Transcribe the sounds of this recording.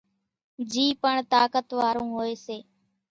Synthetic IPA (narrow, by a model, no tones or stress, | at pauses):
d͡ʒiːpəɳt̪aːkət̪ʋaːɾũːɦoːeːseː